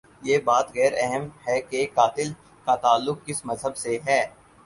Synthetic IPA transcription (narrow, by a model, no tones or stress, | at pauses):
jeːbaːt̪ɣɛːɾɛɦəmhɛkekaːt̪ɪl | kat̪aːlːʊk̚ːɪsmɐzɦəbseɦɛː